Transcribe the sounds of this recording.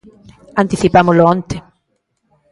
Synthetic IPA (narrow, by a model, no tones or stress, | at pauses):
ant̪iθipamoloant̪e